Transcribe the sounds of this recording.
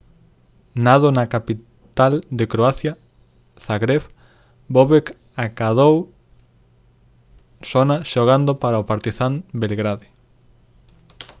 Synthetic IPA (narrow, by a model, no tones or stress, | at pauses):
nað̞onakapi | t̪ald̪ekɾoaθja | saɣɾeβ | boβek | akaðow | sonaʃoɣand̪opaɾaopaɾt̪iθambelɣɾaði